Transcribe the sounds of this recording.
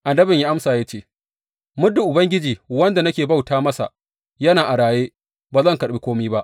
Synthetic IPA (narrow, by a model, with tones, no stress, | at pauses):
ʔa˨ndɐ˦bɪ˨ɲja˦ʔa˦msaː˨jaː˦t͡ʃeː˦ | mʊ˦dʊ˨ʔʊ˨bɐ˦ŋɡʲɪ˦d͡ʒiː˨wɐ˦nda˨nɐ˦kʲeː˨ba˦˨wtaː˦mɐ˦sa̰˨ | jɐ˦naː˨ʔa˨ɽaː˨jeː˦ | baː˨zɐ˦˨ŋkɐ˨ɗɪ˦kʷoː˦miː˦ba˦ʔ